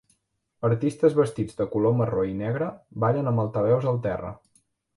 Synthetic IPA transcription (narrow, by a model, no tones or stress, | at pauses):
əɾt̪ist̪əzβəst̪id͡zd̪əkuloməroinɛɣɾəbaʎənəməlˠt̪əβɛwzðəlˠt̪ɛrə̰